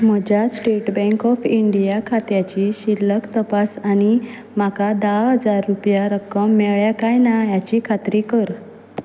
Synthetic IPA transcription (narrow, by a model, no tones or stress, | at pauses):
m̤əd͡ʑjasʈeʈbɛ̃ŋkɔfiɳɖijakʰat̪jat͡ɕiɕilːəkt̪əpasaɽ̃i | m̤akad̪aɭɦəd͡zaɾːupjaɾəkːəmːɛɭɭjakajnajat͡ɕiːkʰat̪ɾikəɾ